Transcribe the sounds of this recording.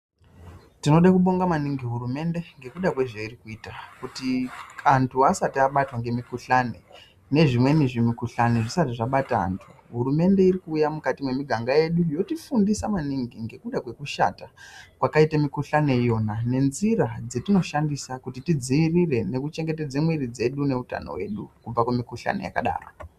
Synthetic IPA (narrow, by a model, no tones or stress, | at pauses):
tino̞ɗakuɓo̞ŋɡamaniŋɡiɦurume̞nde̞ŋɡe̞kuɗakwe̞ʐeirikuiːtakutiantʰuasatiaɓatwaŋɡe̞mikuɬane̞ | ne̞ʐimwe̞niʐimikuɬaneʐisatiʐaɓataa̰ntʰu | ɦurume̞nde̞iɾikuːjamukatimwe̞miɡʱaŋɡaje̞ɗujo̞tifundisamaniŋɡiŋɡe̞kuɗakwe̞kuʃa̰takwakaitamikuɬane̞jo̞nane̞nziɾad͡ze̞tino̞ʃandisakutitid͡ziirire̞ne̞kut͡ʃe̞ŋɡe̞te̞d͡zemwirid͡ze̞ɗune̞uta̰no̰we̞̰ɗukub͡vakumikuɬa̰ne̞̰ja̰ka̰ɗa̰ːra̰